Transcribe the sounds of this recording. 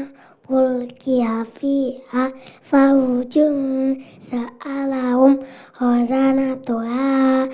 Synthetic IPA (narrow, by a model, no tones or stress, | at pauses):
wulkiafiafahud͡ʒun | saalaɦumhɔzanat̪oa